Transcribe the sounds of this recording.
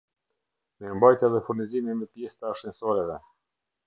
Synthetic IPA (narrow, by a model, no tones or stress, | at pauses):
mɛəmbajt̪aðɛfuɾnizimimɛp̪jɛst̪aʃinsɔɾɛvɛ